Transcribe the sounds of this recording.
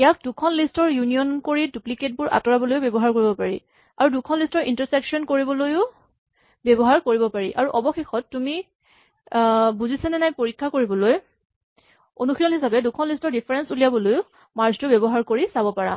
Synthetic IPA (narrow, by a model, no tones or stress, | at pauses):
ijak̚dukʰɔnlistɔɹjunijɔnkoɹidupliket̚bʊɹʔa̰tɔɹabɔlojʊbɛbɔɦaɹkoɹibɔpaɹḭ | aɹudukʰɔnlistɔɹintaɹsɛksɔnkoɹibɔlojʊ | bɛbɔɦaɹkoɹibɔpaɹiʔaɹuʔɔbɔxexɔtːumi | buzisanɛnajpoɹikʰːakoɹibɔloj | o̰nuxʰilɔnɦisabɛdukʰɔnlistɔɹdipʰaɹɛnsuliabɔlojʊ | maɹztʊbɛbɔɦaɹkoɹisabɔpaɹa̰